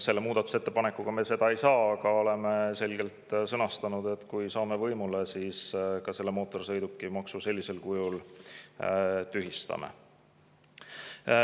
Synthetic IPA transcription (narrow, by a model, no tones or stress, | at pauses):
se̞lːe̞muːd̪̥ɑt̪uset̪ːepɑnekːˑuɡ̥ɑme̞se̞d̪̥ɑe̞jsɑːɑɡ̥ɑo̞le̞me̞se̞lɡ̥e̞lt̪sɤnɑst̪ɑnud̪̥e̞t̪kujsɑːme̞vɤjmule̞siːskɑse̞lːemo̞ːt̪ːˑo̞rsɤ̞jd̪ukːˑimɑksuse̞lːise̞lkujul | t̪yɦist̪ɑ̰mḛ